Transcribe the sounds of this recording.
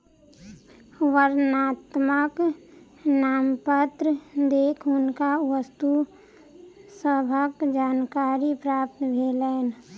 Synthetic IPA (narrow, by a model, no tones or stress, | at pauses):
wəɾnaːt̪mək | naːmpət̪ɾəd̪eːkʰʊnkaʋəst̪u | səbʱəkd͡ʒaːnkaːɾipɾaːp̚t̪bʱeːlɛːn